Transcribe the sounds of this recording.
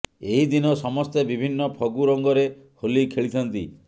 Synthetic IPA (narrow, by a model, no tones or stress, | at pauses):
eɦid̪inɔsɔmɔst̪ebibʱinːɔpʰɔɡuɾɔŋɡɔɾe | holikʰeɭit̪ʰɔnt̪ḭ